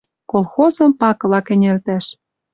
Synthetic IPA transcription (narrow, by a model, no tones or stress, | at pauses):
kolˠxozɤ̆mpɑklɑkɘ̆nʲelt̪æʃ